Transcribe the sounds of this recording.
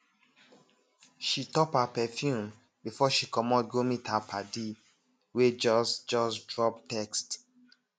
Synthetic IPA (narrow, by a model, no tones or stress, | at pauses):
ʃitɔpapɛfjũm | bifɔʃikɔmɔt̚ɡomitapʰade | wed͡ʒɔsd͡ʒɔsdɹɔp̚tɛkst